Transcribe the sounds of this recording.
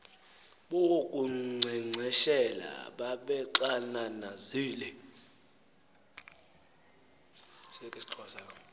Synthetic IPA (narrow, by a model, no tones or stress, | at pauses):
ɓowokʼuŋ͡ǀʱiŋ͡ǀʱɛʃɛla̰ɓaɓɛǃananaziːlɛ | sɛkʼesiǃʰɔʃa